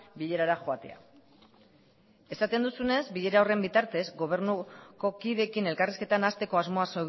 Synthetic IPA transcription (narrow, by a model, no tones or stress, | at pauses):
biʎe̞ɾaɾaxoat̪e̞̰a̰ | e̞sat̪e̞nd̪usune̞zbiʎe̞ɾaore̞mbit̪aɾt̪e̞zɡo̞β̞e̞ɾnuko̞kiðe̞kine̞lkariske̞t̪anast̪e̞ko̞azmo̞aso